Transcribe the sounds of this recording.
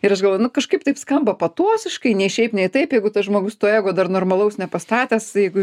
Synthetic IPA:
ɪɾɐʃɡɐlˠʋojnʊkɐʃkɐɪpt̪ɐɪpskɐmbɐpɐt̪uɔsʲɪʃkɐɪnʲɛɪʃʲɛɪpnʲɛɪt̪ɐɪpjɛɪɡʊt̪ɐsʒmoːɡʊst̪oːeːɡoːd̪ɐrnoːrmɐlˠɐʊsnʲɛpɐst̪ɑːt̪ʲæːsjɛɪɡʊ

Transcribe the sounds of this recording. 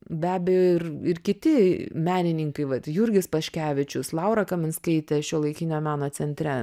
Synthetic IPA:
bʲæːbʲɛjoːɪrɪrkʲɪt̪ʲɪmʲæːnʲɪnʲɪŋkɐɪʋɐt̪jʊɾʲɡʲɪspɐʃʲkʲæːʋʲɪt͡ʃʲʊslˠɐʊɾɐkɐmʲɪnskɐɪt̪ʲɛʃʲoːlˠɐɪkʲɪnʲoːmʲæːnoːt͡s̪ʲɛnʲt̪ʲɾʲɛ

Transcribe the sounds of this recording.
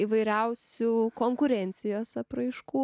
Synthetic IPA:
iʋɐɪɾʲɛʊsʲuːkoːŋkʊɾʲɛnʲt̪sʲɪjoːsɐpɾɐɪʃkuː

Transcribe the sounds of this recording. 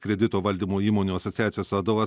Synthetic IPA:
kɾʲɛd̪ʲɪt̪oːʋɐlʲd̪ʲimoːiːmoːnʲuɐsɔt̪sʲɪjæːt̪ʲɪjoːsʋɐd̪oʋɐs

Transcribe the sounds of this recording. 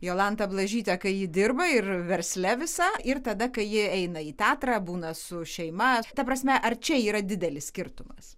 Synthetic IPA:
joːlˠɐnt̪ɐblˠɐʒʲiːt̪ʲɛkɐɪjɪd̪ʲɪrbɐɪrʋʲɛɾʲsʲlʲɛʋʲɪsɐɪrt̪ɐd̪ɐkɐɪjɪɛɪnɐiːt̪ʲæːt̪ɾɑːbuːnɐsʊʃʲɛɪmɐt̪ɐpɾɐsʲmʲɛʔɐrt͡ʃʲɛiːɾɐd̪ʲɪd̪ʲɛlʲɪssʲkʲɪɾt̪ʊmɐs

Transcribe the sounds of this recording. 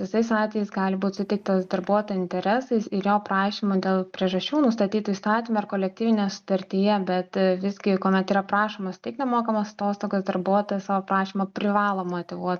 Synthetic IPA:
ʋʲɪsɐɪsɑːt̪ʲʋʲɛjɛɪsɡɑːlʲɪbuːt̪sʊt̪ʲɪk̚t̪ɐsd̪ɐɾbuɔt̪oːjɛɪnʲt̪ʲɛɾʲɛːsɐɪsɪɾjoːprɑːʃʲimʊd̪ʲeːlˠpʲɾʲiɛʒɐʃʲt͡ʃʲuːnʊst̪ɐt̪ʲiːt̪ʊist̪ɑːt̪ʲimɐɪrkoːlʲɛk̚t̪ʲiːʋʲɪnʲejɛsʊ̥t̪ɐɾʲt̪ʲɪjɛbʲɛt̪ʋʲɪzʲɡʲɪkoːmʲɛt̪iːɾɐpɾɑːʃoːmɐst̪ʲɪknʲɛmoːkɐmɐsɐt̪oːst̪oːɡʲosd̪ɐɾbuɔt̪ojɛsɑːʋoːpɾɑːʃʲimɐpʲɾʲɪʋɑːlˠoːmot̪ʲɪʋuɔt̪ʲ

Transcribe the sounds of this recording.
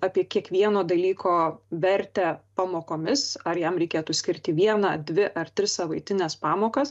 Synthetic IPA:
ɑːpʲiɛkʲiɛkʋʲiɛnoːd̪ɐlʲiːkoːʋʲɛɾʲt̪ʲæpɑmoːkoːmʲɪsɐɾjɛmɾʲɛɪkʲeːt̪ʊsʲkʲɪɾʲt̪ʲɪʋʲiɛnɐːd̪ʲʋʲɪʔɐrt̪ʲɾʲɪssɐʋɐɪt̪ʲɪnʲɛspɑːmoːkɐs

